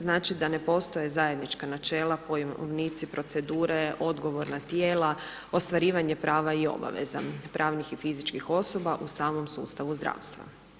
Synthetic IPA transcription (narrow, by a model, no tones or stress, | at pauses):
znaːt͡ʃid̪ane̞po̞st̪o̞jezaje̞d̪nit͡ʃkanat͡ʃe̞ːlˠapojʋniːt̪sipɾo̞t̪se̞d̪uːɾeʔo̞d̪ɡo̞ʋo̞ɾnat̪jeːla | o̞st̪ʋaɾiːʋaɲepɾʔaːʋaio̞̰ba̰ʋḛza̰pɾʔaːʋnixifizit͡ʃkixo̞so̞baʔusaːmo̞msṵːst̪aʋuzd̪ɾa̰ːʋst̪ʋa̰